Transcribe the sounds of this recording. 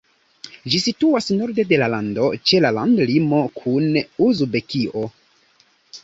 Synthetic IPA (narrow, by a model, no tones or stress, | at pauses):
d͡ʒisituasno̞ɾde̞de̞lalando̞t͡ʃe̞lala̰ndlimo̞kʰunuzbe̞kio̞